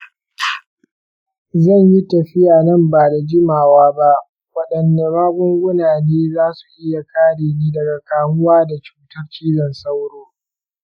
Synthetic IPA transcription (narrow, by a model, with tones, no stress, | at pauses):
zɐ˦˨ɲji˦tɐ˨ɸɪ˦jaː˨nɐ˦mbaː˨da˨d͡ʒɪ˦maː˨waː˦ba˦ʔ | wɐ˦ɗɐ˨nːeː˨maː˦ɡʊ˦ŋɡʷʊ˦naː˨neː˦zaː˦su˨ʔɪ˦ja˨kaː˦ɽeː˨niː˦dɐ˨ɡa˨kaː˨mʊ˦waː˦da˨t͡ʃu̥ː˦tɐ˦rt͡ʃiː˦zɐ˨nsa˦wɽoː˦